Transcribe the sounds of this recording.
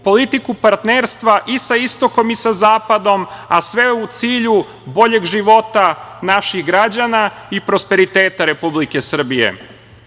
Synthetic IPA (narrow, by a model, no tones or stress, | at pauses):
po̞lit̪ikupaɾt̪neːɾst̪ʋaʔisaist̪o̞ko̞misazaːpad̪o̞masʋe̞ut̪siːʎu | bo̞ʎe̞ɡʒiʋo̞t̪anaʃiɣɡɾad͡ʑana | ipɾo̞spe̞ɾit̪eːt̪aɾe̞publike̞sr̩bijḛ